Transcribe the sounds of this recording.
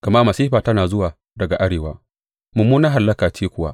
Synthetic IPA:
ɡ̥ɐ˨ma˦mɐ˨siː˦ɸaː˨tɐ˦naː˨zʊ˦waː˨ | dɐ˨ɡa˨ʔa˦ɽeː˨wa̰ː˦ | mʊ˨mːuː˦na˦ɦa˨lːɐ˦kaː˨t͡ʃiː˦kʷʊ˦wa̰˦

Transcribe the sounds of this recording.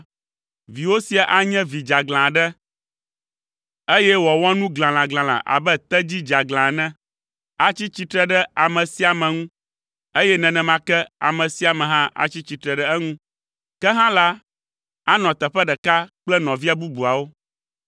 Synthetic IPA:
vi˨wo˦si˨a˨ʔa˦ɲɛ̃˦vi˨d͡ʒa˨ɡlã˨ɖɛ˦ | e˦jɛ˦wɔ˨wɔ̃˦nũ˦ɡlã˨lã˨ɡlã˨lã̰˨ʔa̰˨bɛ˦t̪ɛ˦d͡ʑi˦d͡ʒa˨ɡlã˨nɛ̃˦ | a˦t͡ɕi˦t͡ɕi˦t̪ɾɛ˨ɖɛ˦a˨mɛ̃˨si˦a˨mɛ̃˨ŋũ˦ | e˦jɛ˦nɛ̃˨nɛ̃˨mã˨kɛ˦a̰˨mɛ̃˨si˨˦a˨mɛ̃˨ɦã˦ʔa̰˦t͡ɕi˦t͡ɕi˨t̪ɾɛ˨ɖɛ˦ɛ˦ŋũ˦ | kɛ˦ɦã˦la˦ | a˦nɔ̃˨t̪ɛ˨ɸɛ˦ɖɛ˨ka˦k͡plɛ˦nɔ̃˨vi˦a˨bu˦bu˨a˨wo˦

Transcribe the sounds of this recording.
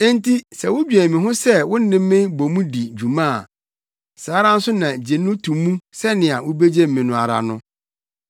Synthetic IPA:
ẽ˦nti˦sɛ˨wʊ˦bɥɛ˨mĩ˨ɦʊ̃˦sɛ˦wʊ̃˦n̩˦nɪ̃˦mː˦ɪ̃˦bo˨mũ˦di˨d͡ʑu˨mã˦a˨ | saː˨˦ɾã˦n̩˦sʊ˦nã˨d͡ʑe˨nʊ̃˦tʰũ˨mːũ˦sɛ˦nɪ̃˨a˨wʊ˦be˦d͡ʑe˦m̩˨mĩ˨nʊ̃˨a˨ɾa̰˨nʊ̃˦

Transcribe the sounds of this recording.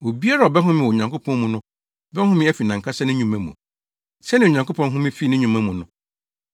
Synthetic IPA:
o˨bi˦a˦ɾa˨ɔ˨bɛ˦ɦʊ̃˦mɪ̃˨o˨ɲã˨ŋkʰo˦pʰɔ̃˦nmũ˦nʊ̃˦ | bɛ˦hʊ̃˦mɪ̃˦æ˦fi˨nã˨ŋ˨kʰa˦sɛ˦nɪ̃˦ɲũ˨mæ̃˦mũ˨ | sɛ˦nɪ̃˨o˨ɲã˨ŋko˦pʰɔ̃˦n˦ɦʊ̃˦mɪ̃˦fi˦nɪ̃˦ɲũ˨mæ̃˦mũ˨nʊ̰̃˦˨

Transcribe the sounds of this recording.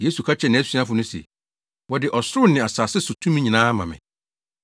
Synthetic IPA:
je˦su˨kʰa˦t͡ɕʰɛ˨nɪ̃˨æ˦sɥa˦fʊ˨nʊ̃˦sḛ˨ | wɔ˨dɪ˨ʔɔ˨sɾʊ˦nɪ̃˨a˨saː˨sɪ˦sʊ˨tʰũ˦mĩ˦ɲĩ˨nãː˦mã̰˨mɪ̰̃˨

